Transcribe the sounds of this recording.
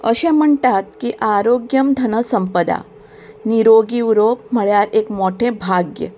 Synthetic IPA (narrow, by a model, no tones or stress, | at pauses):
əɕẽm̤əɳʈ̪at̪̚kiʔaɾoɡjəmd̪ʱənəsəmpəd̪a̰ | niɾoɡiɾopməɭjaɾekmoʈʰebʱaɡjə̰